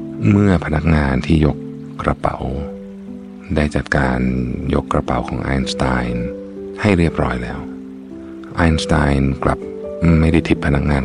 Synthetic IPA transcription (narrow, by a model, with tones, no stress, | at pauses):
mɯ˥˩ɐpʰa˧na˦˥k̚ŋaː˧nt̪ʰiː˥˩jo˦˥kː | ɾa˧pa̰˨˩˦w | daː˥˩jt͡ɕa˨˩t̪̚kaː˧njo̰˦˥kːɾa˧pa˨˩˦wkʰɔː˩˦ŋʔa̰ː˧jnst̪aː˧jn | ha˥˩jɾi˥˩əp̚ɾɔ̰ː˦˥jlɛ̰ː˦˥w | ʔaː˧jnst̪aː˧jnkla̰˨˩p̚ma˥˩jda˥˩jt̪ʰi˨˦˩t̪̚pʰa˧na˦˥k̚ŋaː˧n